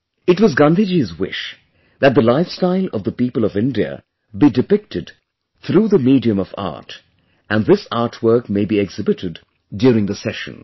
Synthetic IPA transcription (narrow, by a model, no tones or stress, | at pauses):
ɨtwʌzɡʌ̃nd̪id͡ʒizwɪ̰ʃ | ðɨt̪̚d̪əlaɪfstaɪlˠʌvðəpipəlˠʌvɪ̃ndiə̰ | bidɨpɪk̚tɨd | θɾuːðəmidiɨ̃mʌvɑ̰ɹt | ʔɨ̃nðɪsɑɹtʰwɜ˞kmeɪbiɛɡz̥ɪbɨɾɨdː | jʊɾɪ̃ŋðəsɛʃə̰̃n